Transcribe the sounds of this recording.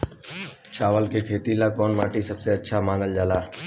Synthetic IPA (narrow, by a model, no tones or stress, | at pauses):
t͡ʃaːʋəlkeːkʰeːt̪iːlaːkoːnmaːʈiːsəbseːətːʃʰaːmaːnəld͡ʒaːlaː